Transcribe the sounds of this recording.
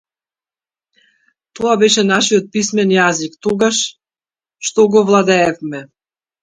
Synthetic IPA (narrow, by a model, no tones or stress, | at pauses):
t̪ɔabɛʃɛnaʃijɔt̪̚pismɛnjazikt̪ɔɡaʃ | ʃt̪ɔɡɔvlˠad̪ɛːfmɛ